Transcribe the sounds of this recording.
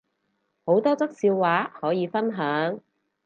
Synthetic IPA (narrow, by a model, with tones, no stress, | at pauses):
ho˨˥wt̪ɔː˥t͡sɐ˥k̚siː˧wːaː˨˥hɔː˨˥jiː˨˧fɐ˥nɦœː˨˥ŋ